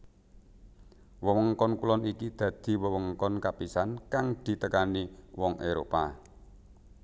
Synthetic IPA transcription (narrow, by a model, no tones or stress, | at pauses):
wɔɔŋkɔnkulɔnikid̪̥ä̤d̪̥i̤wɔwɔŋkɔnkapisankaŋd̪̥i̤t̪əkaniwɔŋʔeɾo̰pa